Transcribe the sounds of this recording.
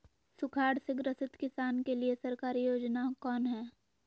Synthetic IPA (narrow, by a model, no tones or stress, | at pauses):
sʊkʰaːɾsɪkɾɐsɪt̪kɪsaːnkeliesɐɾkaːɾijoːd͡ʒnakɔːnɦɛː